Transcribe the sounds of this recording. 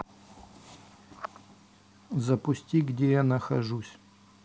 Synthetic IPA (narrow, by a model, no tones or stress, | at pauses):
zɐpʊsʲtʲiɡdʲejanəxɐʐusʲ